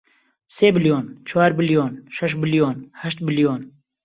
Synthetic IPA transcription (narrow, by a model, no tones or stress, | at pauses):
seːbɪljoːnt͡ʃʰaːɾbɪljoːnʃɛʃbɪljoːnhɛʃt̪̚bɪljoːn